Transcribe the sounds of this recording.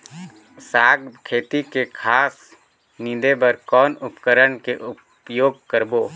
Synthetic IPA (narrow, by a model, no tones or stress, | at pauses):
saːɡkʰeːt̪ikekʰaːs | nɪ̃d̪ebəɾkɔːnʊpkəɾəɳkeʔʊp | joːɡ̚kəɾboː